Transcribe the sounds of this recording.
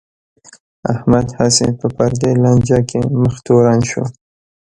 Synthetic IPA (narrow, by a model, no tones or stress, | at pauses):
ahmad̪hasepəpaɾd̪elɑnd͡ʒɑkʰeməxt̪oɾanʃo̰